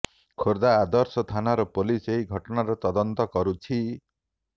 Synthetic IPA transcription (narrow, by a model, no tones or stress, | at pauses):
kʰoɾd̪aːd̪ɔɾsɔt̪ʰanaɾɔpoliseiɡʱɔʈɔnaɾɔt̪ɔd̪ɔnt̪ɔkɔɾut͡ʃʰi